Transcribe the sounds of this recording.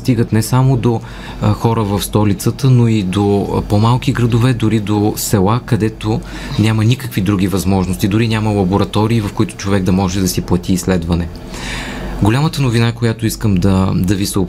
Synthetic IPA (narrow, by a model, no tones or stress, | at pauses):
st̪iɡət̪nɛsamod̪o | xɔɾəvɐfst̪ɔlit̪sət̪ənoid̪opomalˠkiɡɾɐd̪ovɛd̪ʊɾid̪osɛlˠakɐd̪ɛt̪o | nʲamənʲikəkvid̪ɾuɡ̟ʲivɐzmɔʒnost̪id̪ʊɾinʲjaməlˠɐboɾɐt̪ɔɾiːvɐfkʊit̪ʊ̥t͡ʃovɛɡ̚d̪ɐmɔʒɛd̪ɐsiplˠɐt̪iːslɛd̪vɐnɛ | ɡolʲamət̪ənovinakojat̪oiskəmd̪ɐd̪ɐvisə